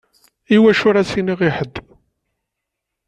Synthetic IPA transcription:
iwæʃʊɾæsiniʁiħəd̪ː

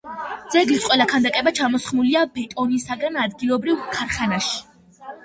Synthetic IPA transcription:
d̪z̥ɛɡlisqʼwɛlˠakʰand̪akʼɛbat͡ʃʰamɔsχmuliabɛt̪ʼɔnisaɡanad̪ɡilˠɔbɾivkʰaɾχanaʃi̥

